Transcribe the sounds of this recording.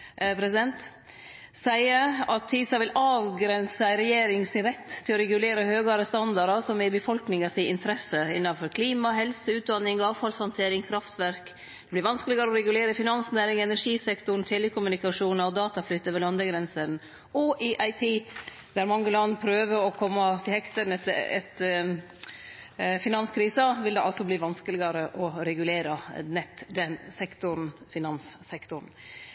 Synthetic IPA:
pʰɾɛsɪd̪ɛnt̪ | sæɪəɑt̪ʰːiːsɑʋɪlɑːʋɡɾɛnsəɪɾɛjeːɾɪŋsɪnɾɛt̪ʰːɪlɔɾɛɡʉleːɾəhøːɡɑɾəst̪ɑnd̪ɑɾɑsɔmɛɪbəfɔlknɪŋɑsɪʔɪnt̪ʰəɾɛsəɪnːɑnfɔɾkʰliːmɑɦɛlsəʉːt̪̚d̪ɑnːɪŋɑːʋfɑlshɔnt̪ʰeːɾɪŋkʰɾɑft̪ʋæɾk | d̪̥ɛblɪɾʋɑnskəlɪɡəɾɔɾɛɡʉleːɾəfɪnɑnsnæːɾɪŋɛnæɾʂiːsɛkt̪ʊɳ̩t̪ʰɛːlɪkʰːʊmʉnɪkɑʂuːnɑɔd̪ɑːt̪ɑflʏt̪ːəʋɛlɑnd̪əɡɾɛnsən | ɔʔɪʔɑɪt̪ʰiː | d̪æɾmɑŋːəlɑnːpʰɾøːʋəɾɔkʰɔmːɑt̪ʰɪlhɛkt̪əɳət̪ɛ̰t̪ | fɪnɑnskʰɾiːsəʋɪld̪ɛʔɑlsɔbliːʋɑnskəlɪɡɑɾəʔɔɾɛɡʉleːɾənɛt̪ːd̪ɛnsɛkt̪ʊɾn̩fɪnɑnsːɛkt̪ʊɾn̩

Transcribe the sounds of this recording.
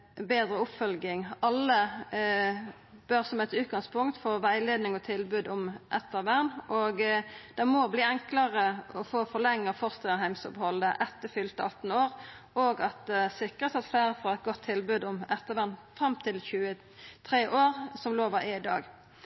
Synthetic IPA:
beːd̪ʁəʊpfœlɡɪŋɑlːə | b̥øʁsɔmɛt̪ʉːt̪̚ɡɑŋspʰʊŋkt̪fɔʋæɪleːd̪nɪŋɔt̪ʰɪlbʉːd̪ʊmʔɛt̪ːəʁʋæʁnʔɔɡd̪̥ɛmɔbliːɛŋkləʁəɔfoːfɔʁlɛŋːəfɔʁst̪ɛəɦæɪmsɔphɔld̪əʔɛt̪ːəfʏlt̪əɑt̪ːn̩oːʁ | ʔoːɡɑt̪̚d̪ɛsɪkʁət̪sɑt̪fleːʁəfʁɑɛt̪̚ɡɔt̪ʰːɪlbʉːd̪ʊmɛt̪ːəʋæʁnfʁɑmt̪ʰɪlçʉːə | t̪ʰʁeːʔoːʁsɔmloːʋəɾʔɛɪd̪ɑ̰ːɡ

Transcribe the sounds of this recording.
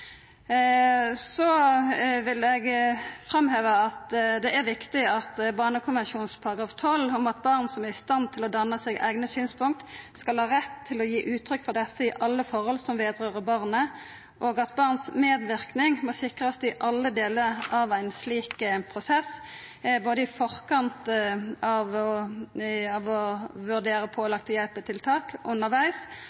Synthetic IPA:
sɔ | ʋɪlɛɡfʁɑmheːʋəɑt̪d̪ɛʔæʁʋɪkt̪ɪɑt̪bɑːnəkʰʊnʋɛnʃuːnspʰɑʁɑɡʁɑːft̪ʰɔlɔmɑt̪̚bɑʁnsɔmæʁɪst̪ɑnt̪ʰɪlɔd̪ɑnːəsɛːɡæ̰ɪɡnəsyːnspʰʊŋ̚t̪skɑlhɑːʁɛt̪ʰːɪlɔjiːʔʉːt̪ʰɾʏkːfɔʁd̪ɛsəɪʔɑlːəfɔʁhɔlsɔmʋeːd̪ʁøːʁəbɑʁnə | ʔoːɡɑt̪bɑʁnsmeːd̪ʋɪʁknɪŋmɔsɪkʁəɑt̪ɪʔɑlːəd̪eːləʁɑʋæɪnsliːkpʰʁʊsɛs | boːd̪əɪfɔʁkʰɑnt̪ɑʋɔ | ɑʋɔʋʉʁd̪eːʁəpʰoːɔlɑkt̪ʰəjɛlpət̪ʰɪlt̪ʰɑːkʔʉnːəʁʋæɪs

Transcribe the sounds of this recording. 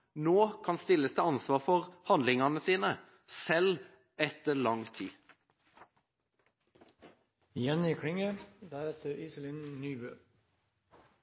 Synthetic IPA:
noːkʰɑnst̪ɪlːəst̪ʰeːɑnsʋɑːʁfɔʁhɑnd̪lɪŋɑnəsiːnə | sɛl | ɛt̪əlɑŋt̪ʰḭː | jɛnɪkʰɽɪŋəd̪æɾɛt̪ʰəɾiːsəlɪnnyːbøː

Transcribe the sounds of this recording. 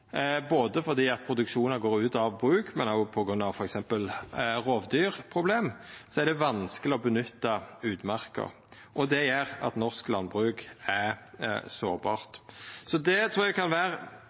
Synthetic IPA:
boːd̪əfɔʁd̪iːɑt̪̚pʰɾʊd̪ʉkʃuːnɑɡoːɾʉːt̪ɑʋbɾʉːkmɛnɑpʰɔɡɾʉnːɑʋfɔɾɛksɛmpəlʁoːʋd̪yːɾpʰʁʊbleːmsɔæɾɖ̪ɛʋɑnskəlɪɔbənʏt̪ːɑʉːd̪mɑʁkə̰ʁ | ʔɔd̪ɛjeːɾɑ̰t̪nɔʁsklɑnbʁʉːkæɾso̰ːʁbɑ̰ːʁt̪sɔd̪ɛt̪ʰɾuːɾæɡkʰɑnʋæːɾə

